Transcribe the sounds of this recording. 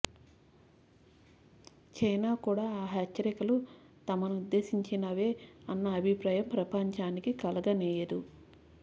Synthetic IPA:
t͡ʃɐjnaːkuːɽaːɦɛt͡ʃt͡ʃːɐɾikɐlu | t̪ɐmɐnuud̪ːe̞ːsiɲt͡ʃinɐʋeːɐnːɐːbʱipɾaːjɐmpɾɐpɐɲt͡ʃaːnikikɐlɐɡɐnɛːjɐd̪u

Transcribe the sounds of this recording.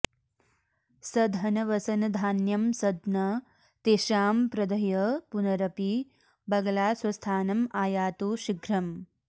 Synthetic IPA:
sɐd̪ʱɐnɐʋɐsɐnɐd̪ʱaːnjɐmsɐd̪nɐ | t̪eːʃaːmpɾɐd̪ɐjɐpunɐɾɐpi | bɐɡɐlaːswɐst̪ʰaːnɐmaːjaːt̪uːʃiɡɾɐm

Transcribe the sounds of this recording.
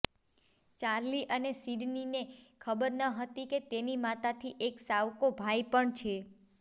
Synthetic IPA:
t͡ʃaɾliʔənesiɖninekʰəbəɾnəɦət̪iket̪enimat̪at̪ʰiʔeksaʋkobʱajpəɳt͡ʃʰe

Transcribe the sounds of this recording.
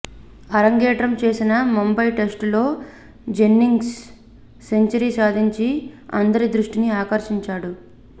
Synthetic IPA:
ɐɾɐŋɡeːʈɾɐmt͡ʃe̞ːsinɐmombɐjʈesʈlo̞ː | d͡ʒe̞nːiŋɡsː | e̞ɲt͡ʃɐɾisaːd̪ʱiɲt͡ʃiɐ̰nd̪ɐɾid̪ɾuʂʈiniaːkɐɾʃiɲt͡ʃaːɽu

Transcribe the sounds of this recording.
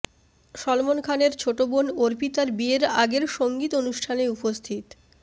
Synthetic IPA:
ʃɔlmonkʰaneɾt͡ɕʰoʈobonoɾpit̪aɾbieɾaɡeɾʃoŋɡit̪onuʃʈʰaneupost̪ʰit̪

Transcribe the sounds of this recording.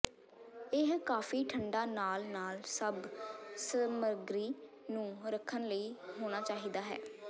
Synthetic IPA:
ɪɦkaːfiːʈʰəɳɖaːnaːlnaːlsəbsəməɾɡɾiː | nũːɾəkʰːənləiːɦoːɽ̃aːt͡ʃaːɦiːd̪aːɦɛ̰ː

